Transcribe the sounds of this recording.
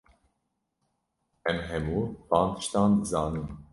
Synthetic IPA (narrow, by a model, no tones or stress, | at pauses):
ɛmɦɛmuːbɑːnt̪ʰɨ̥ʃt̪ɑːnd̪ɨzɑːnɨm